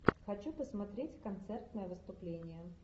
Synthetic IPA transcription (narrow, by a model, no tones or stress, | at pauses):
xɐt͡ɕupəsmɐt̪ɾʲetʲkɐnt̪sɛrt̪nəjəvɨst̪ʊplʲenʲɪjə